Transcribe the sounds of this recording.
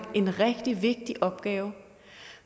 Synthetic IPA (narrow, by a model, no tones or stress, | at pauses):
e̝nʁɛɡ̥d̥iʋe̝ɡ̥̚d̥iʔɒ̽b̥ɡ̥ɛːʊ